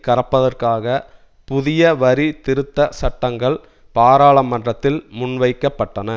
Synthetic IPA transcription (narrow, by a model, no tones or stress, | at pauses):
kɐɾɐpːɐðɐrkaːɣɐ | pʊðɪjɐʋɐɾit̪ɪɾɯt̪ːɐsɐʈːɐŋɡɐɭ | paːɾaːɭɐmːɐndrɐt̪ːɪlmʊnʋɐɪkːɐpːɐʈːɐnɐ